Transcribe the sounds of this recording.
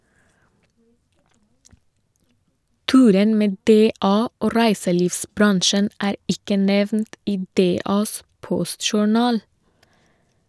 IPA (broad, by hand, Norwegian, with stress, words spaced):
ˈtʉːɾən ˈmeː ˈdeːɑː ˈoː ˈɾæɪsəˌliːʋsˌbɾɑnʃən ˈæːɾ ˈɪkə ˈnɛʋnt ˈiː ˈdeːɑːs ˈpɔstʃʊˌɳɑːl